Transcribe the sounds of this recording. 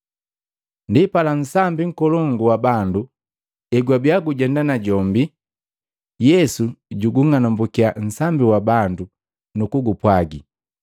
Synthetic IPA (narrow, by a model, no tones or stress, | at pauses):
ndipalan̩sambiŋ̩kɔlɔŋɡuwabandu | ɛɡwabjaɡuɟɛndanaɟɔmbi | jɛsuɟuɡuŋanɔmbukian̩sambiwabandu | nukuɡupwaɡi